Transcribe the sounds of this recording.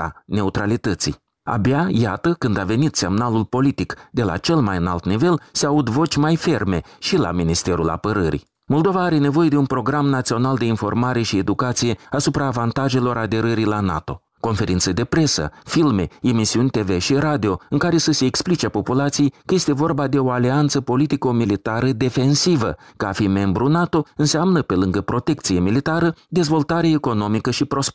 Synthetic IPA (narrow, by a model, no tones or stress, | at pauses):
a̰ne̞ut̪ɾalit̪ət̪sḭj | a̰bʲajat̪əkɨnd̪ave̞nit̪se̞mnalulpo̞lit̪ikd̪̥e̞la̰t͡ʃe̞lmajɨna̰lt̪nive̞lseaud̪vo̞t͡ʃʲmajfe̞rme̞ʃila̰minist̪e̞ɾula̰pəɾəɾḭ | mo̞ld̪o̞vaːɾe̞ne̞vo̞je̞d̪eunpɾo̞ɡɾamnat̪sio̞nald̪e̞info̞rmaɾe̞ʃied̪ukat̪sije̞asupɾaːvant̪aʒe̞lo̞ɾad̪e̞ɾəɾilana̰t̪o̞̰ | ko̞nfe̞ɾint̪səd̪e̞pɾe̞sə̰filme̞emisiunʲt̪e̞ve̞ʃiɾad̪io̞ɨŋkaɾe̞səse̞ːksplit͡ʃepo̞pulat̪sijejkəje̞st̪evo̞rbad̪e̞o̞aliant̪səpo̞lit̪ikomilit̪aɾəd̪e̞fe̞nsivəkəafime̞mbɾunat̪o̞ɨnseamnəpe̞lɨŋɡəpɾo̞t̪e̞k̚t̪sije̞milit̪aɾəd̪e̞zvo̞lt̪aɾeeko̞no̞mikəʃipɾo̞s